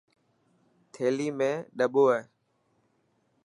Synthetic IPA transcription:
t̪ʰeːliːmẽːɗəɓoːɦeː

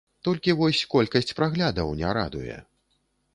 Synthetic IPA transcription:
t̪ɔlʲkʲivɔsʲkɔlʲkɐsʲt͡sʲpɾaɣlʲad̪ɐwnʲɛɾa̰d̪ujɛ̰

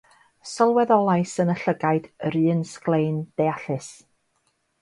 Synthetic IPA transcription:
sɔlˠwɛðɔlˠaɨsənəɬəɡaɨdəɾɨːnsklˠejnd̥ejaɬɨs

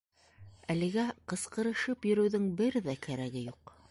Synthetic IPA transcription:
ælɘ̆ɡæqɤ̆sqɤ̆ɾɤ̆ʃɤpjɵ̆ɾɵ̆wðɘŋbɘɾðækæɾæɡɘjuq

